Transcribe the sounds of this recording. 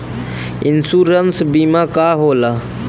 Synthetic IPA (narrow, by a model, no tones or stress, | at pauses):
insuːɾənsbiːmakaɦoːla